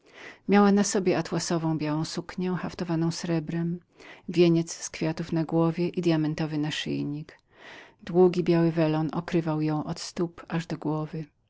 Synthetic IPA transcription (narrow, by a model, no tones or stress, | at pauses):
mʲjawanasɔbʲjɛat̪wasɔvɔ̃w̃bʲjawɔ̃w̃sukɲɛxaft̪ɔvanɔ̃w̃sɾɛbɾɛm | vʲjeɲɛt̪sskfʲjat̪ufnaɡwɔvʲjɛʔid̪jamɛnt̪ɔvɘnaʂɘ̰jɲik | d̪wuɡʲibʲjawɘvɛlɔnʔɔkɾɘvawjɔ̃w̃ʔɔt̪st̪upaʐd̪ɔɡwɔvɘ